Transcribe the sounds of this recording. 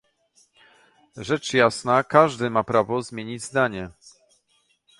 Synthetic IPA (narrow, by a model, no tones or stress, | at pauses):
ʐɛt͡ʂjasnakaʐd̪ɘmapɾavɔzmʲjeɲid͡ʑzd̪aɲɛ